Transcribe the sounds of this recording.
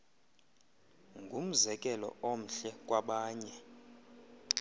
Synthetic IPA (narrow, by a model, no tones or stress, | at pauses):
ŋɡʱum̩zɛkʼɛlɔ̰om̩ɬɛkʼwaɓaːɲɛ